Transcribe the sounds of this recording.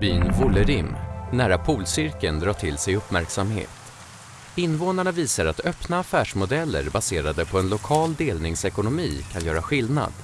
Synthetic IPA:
b̥yːnvʊləɾɪmnæːɾapʰuːlsʏɾkənd̪ɾɑːʈʰɪlsɛjɵpmæɾksamhḛːt̪ | ɪnːvoːnaɳaviːsaɾat̪œpnaːfæːʂmʊd̪ɛlːə̰ɾbaseːɾad̪əpʰɔɛnlʊkʰɑːld̪eːlnɪŋsɛkʊnʊmiːkʰanjœːɾaɧɪlna̰d̪̥

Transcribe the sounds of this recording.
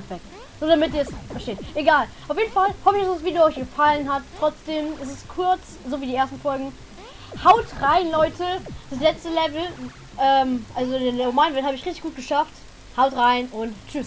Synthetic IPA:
b̥ɛk | z̥oːdamɪt̚d̥iːɐsfɛɐʃteːtʔeɡaːlʔaʊfjeːdn̩falhɔfɪçasv̥iːduɔʏçɡ̥əfalənɦattːʁ̥ɔt͡sd̥eːmɛs̬ɛstkʰʊɐt͡s | zoːviːdiːʔeːɐstn̩fɔlɡŋ̩ | haʊtʁaɪnlɔʏtʰəd̥as̬lɛt͡stəlɛvl̩ | ʔɛːmʔalzomaɪnvɛɐthaːbəɪçʁɪçtɪçɡ̥uːt̚ɡ̥əʃaft | haʊtʁaɪnʔʊntt͡ʃʏs

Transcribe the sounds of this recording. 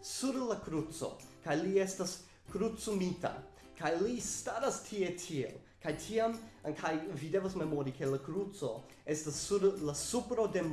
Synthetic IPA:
suɾlakɾut͡so̰kajlie̞stas | kɾut͡sumita̰ | kajlistaɾastʰie̞tʰiḛl | kajtʰiamkʰajvide̞vasme̞moɾike̞lakɾut͡so̞ | e̞stasːuɾlasupɾode̞m

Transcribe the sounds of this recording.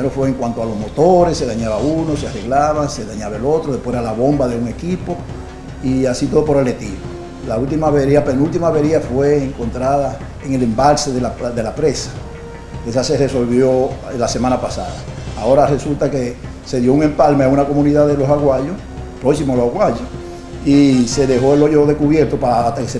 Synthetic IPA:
eɾofweːŋkwant̪oalo̞zmo̞t̪oɾese̞ðaɲaβaunoseare̞ɣlaβaŋse̞ðaɲaβaelo̞t̪ɾoðepweɾalaβo̞mbaðe̞uŋe̞kipo̞ | iasit̪o̞ðop̬o̞ɾale̞t̪iβo | lault̪imaβeɾiapenult̪imaβeɾiafwe̞ːŋko̞nt̪ɾaða | eŋe̞le̞mbalseðelaðe̞lapɾe̞sḁ | e̞sase̞reso̞lβjo̞lase̞mãnapasaðaːo̞ɾare̞sult̪ake | se̞ðjouŋẽ̞mpalmeaunako̞mũniðaðelo̞saɣwaʎo | pɾoksimoalohaɣwaʎo | ise̞ðe̞ɦo̞eloʝoðekuβje̞ɾt̪opaːt̪akese

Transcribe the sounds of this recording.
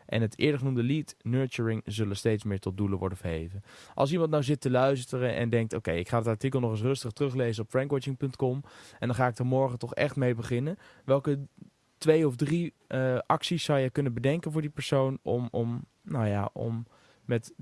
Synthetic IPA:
ʔɛ̰nɦətʰɪ̰ːɹdəχənumdəlitnøːɹt͡ʃuːɹɪŋzɵləstejtsmɪːɹtɔt̚duləʋɔ̰ɹdənvəɹɦejvənʔɑ̰lˠs̬imɑnt̚nawzɪtəlœɥstəɾənʔɛ̰ndɛŋk̚to̰wkejɪkχaːdɑtɑɹtikəlˠnɔχɪs̬rɵstəχtrɵχlejzənɔpfrɛŋkwɔt͡ʃɪŋpɵntkɔmʔɛndɑnχaːɪk̚tɔmɔɹχətɔχɛ̰χtmejbəχɪnə | ʋɛlˠkə | tʋejɔfdri | ɑksisːɑwjəkɵnənbədɛŋkənvʊːɹdipəɹsownʔɔ̰mɔ̰m | nawjaʔɔ̰mː | ɛt

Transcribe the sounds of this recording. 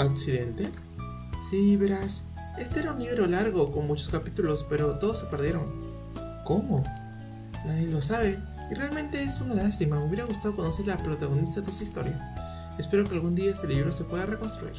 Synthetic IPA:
aksiðe̞nt̪e | siβe̞ɾas | e̞st̪e̞eɾaunliβeɾo̞laɾɣo̞ko̞nmut͡ʃo̞skapit̪ulo̞spe̞ɾo̞t̪o̞ðo̞sːe̞pe̞ɾðje̞ɾo̞ŋ | ko̞mo̞ | naðelo̞s̬aβe̞ | irealmẽ̞nt̪e̞esunalast̪imameuwβje̞ɾaɣ̞us̬t̪aðo̞kono̞seɾlapɾot̪aɣ̞o̞nist̪aðesaist̪o̞̰ɾja | espe̞ɾo̞ke̞alɣund̪iaest̪eliβɾo̞se̞pwe̞ðareko̞nst̪ɾuḭɾ

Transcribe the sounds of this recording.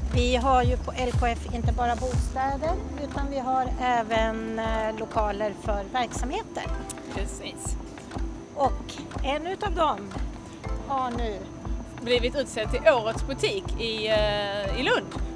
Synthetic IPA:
vɪɦaɾjɵpʰɔʔɛlkʰoːɛfɪnt̪əbɑːɾabuːst̪ɛːd̪əɾʉ̟ːt̪anvɪɦaɾɛːvənlʊkʰɑːləɾfœɾvæɾksamheːt̪ə̰ɾ | pʰɾɛsiːs | ʔɔkɛnːʉ̟t̪avd̪ɔm | haɳʉ | bliːvɪt̪ʉ̟ːt̪sɛt̪ʰːɪlʔoːɾət̪sbɵt̪ʰiːkʰɪ | ɪlɵnd̪

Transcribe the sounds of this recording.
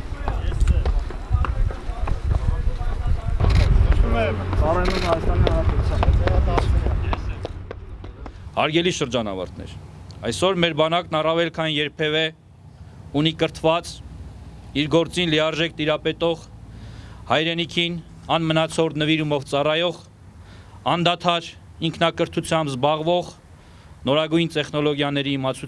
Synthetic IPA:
umɛt͡sɑrɑjmut̪hɑjɑst̪ɑnihɑɾɑpɛt̪ut͡sʰjɑnɛɛɾɑd̪ɑ | hɑɾɡɛliʃəɾd͡ʒɑnɑ̰vɑ̰ɾt̪ʰnɛ̰ɾɑ̰jsɔɾmɛɾbɑnɑknɑrɑvɛlkʰɑnjɛɾpʰɛvɛ | unikəɾt̪ʰvɑt͡s | iɾɡɔɾt͡sinlijɑɾʒɛk̚t̪iɾɑpɛt̪ɔʁ | hɑjɾɛnikʰin | ɑnmənɑt͡sʰɔɾnəviɾumɔvt͡sɑrɑjɔʁ | ɑnd̪ɑt̪ʰɑɾiŋkʰnɑkəɾt̪ʰut͡sʰjɑmbzbɑʁvɔʁ | nɔɾɑɡujnt̪ɛχnɔlɔɡjɑnɛɾiimɑt͡sʰu

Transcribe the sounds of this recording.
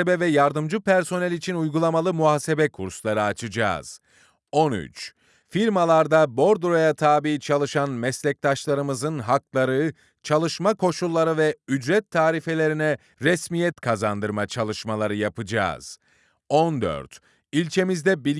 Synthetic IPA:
ebɛvɛjaɾd̪ɯmd͡ʒɯpæɾso̞nɛlʲit͡ʃʰinujɡulˠamalˠɯmuɦaːse̞bɛkʰuɾslˠaɾɯat͡ʃʰɯd͡ʒa̰ːz̥ | ony̰t͡ʃ | fiɾmalˠaɾd̪abo̞ɾd̪ɾo̞jat̪ʰaːbiːt͡ʃʰalˠɯʃanmɛslʲɛc̚t̪ʰaʃlˠaɾɯmɯzɯnɦaklˠaɾɯ | t͡ʃʰalˠɯʃmakʰo̞ʃulˠːaɾɯvɛyd͡ʒɾɛt̪ʰːaːɾife̞lʲe̞ɾinɛ | ɾɛsmijɛt̪kʰazand̪ɯɾmat͡ʃʰalˠɯʃmalˠaɾɯjapɯd͡ʒa̰ːz̥ | ond̪ø̰ɾt̪ | ilʲt͡ʃʰe̞mizd̪ɛbilʲ

